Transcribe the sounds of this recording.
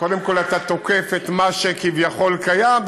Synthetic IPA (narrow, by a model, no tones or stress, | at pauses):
kod̪emko̞lat̪at̪o̞kefet̪maʃekivjaχo̞lkajam